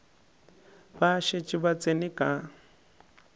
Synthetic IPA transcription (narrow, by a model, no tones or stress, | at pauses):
baʃet͡ʃʼiβat͡sʼenikʼa